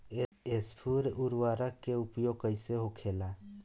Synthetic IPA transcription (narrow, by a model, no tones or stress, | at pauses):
espʰuɾuɾwaːɾəkːeupjoɡ̚kəɪseɦokʰeːla